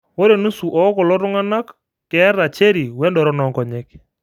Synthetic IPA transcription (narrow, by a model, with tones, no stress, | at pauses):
wo˦ɾe˨nu˦su˨ʔɔ˨˦kɔ˨lɔ˦ɾʊ˦ŋa˦na˦kː | ɛ˨˦ɾa˨t͡ʃe˦ɾi˨wɛ˦ndɔ˨ɾɔ˦nɔ˨ŋkɔ˨ɲɛ˦k